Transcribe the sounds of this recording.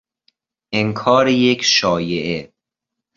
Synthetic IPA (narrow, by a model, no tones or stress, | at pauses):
ʔeŋkʰɒːɾejekʰʃɒːjeʔe